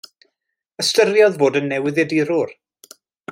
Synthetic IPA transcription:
əstəɾjɔðvoːdənːɛwɪðədiɾʊr

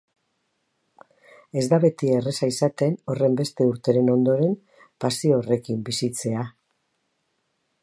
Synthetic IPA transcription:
e̞zd̪aβe̞t̪iere̞saisat̪e̞no̞re̞mbe̞st̪e̞uɾt̪e̞ɾe̞no̞nd̪o̞ɾe̞m | pasiore̞kimbisit͡se̞a

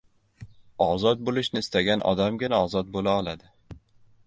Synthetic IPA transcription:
ɒzɒt̪̚bolɪʃnɪːst̪aɡʲanʔɒ̰d̪amɡʲɪnaɒzɒt̪̚bolaɒlˠad̪ɪ

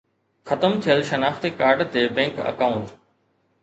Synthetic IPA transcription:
xɐt̪əmt̪ʰijəlʃɐnaːft̪ikaːɾɖt̪ebɛ̃ːŋkɐ̰kaːʊ̃ɳʈ

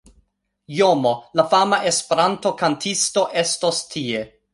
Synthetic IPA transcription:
jomo̞lafamaʔe̞spe̞ɾanto̞kantʰisto̞ʔe̞sto̞stʰie̞

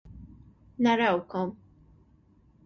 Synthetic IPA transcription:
nɐɾɐwkɔm

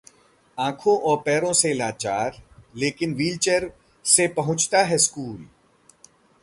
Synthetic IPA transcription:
ãːkʰõʔɔːɾpɛːɾõselaːt͡ʃaːɾleːkɪnʋiːlt͡ʃəɾ | sepɐɦʊ̃t͡ʃt̪aɦɛskuːl

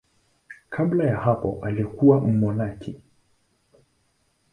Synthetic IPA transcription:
kʰablajahapɔ̰ʔalikuwam̩mɔnakʰɛ

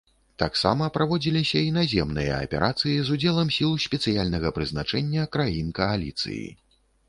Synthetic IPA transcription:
t̪aksa̰mɐpɾavɔd͡zʲilʲisʲɐinazʲɛmnɨjɐ̰ɐ̰pʲɛ̰ɾʔat̪sɨjizud͡zʲɛlˠɐmsʲilˠsʲpʲɛt̪sɨjalʲnɐɣɐpɾɨznat͡ʂɛnʲːɐkɾajinkɐalʲit̪sɨ̰jḭ

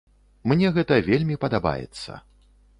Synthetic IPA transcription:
mnʲɛɣɛt̪ɐvʲelʲmʲipɐd̪aba̰jɛ̰t̪sːɐ̰

